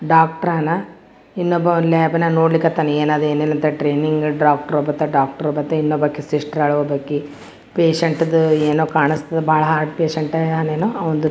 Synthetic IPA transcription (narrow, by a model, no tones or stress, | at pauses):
ɖaːk̚ʈɐɾanɐ | inːobɐleːbɐnɐnoːɽlikːɐt̪ːɐneeːnaːd̪eːneːnɐnt̪ɐɐʈɾeːniŋɡɖaːk̚ʈɐɾobɐt̪ːɐɖaːk̚ʈɐɾɔbɐt̪ːɐinːobɐkːesiʂʈɾɐɭuʋɐbɐɡi | peːʃɐɳʈd̪eːnoːkaːɳist̪ɐd̪ebʱaːɭɐɦaːɾɖpeːʃɐɳʈɐaneːnoːɐʋɔnd̪u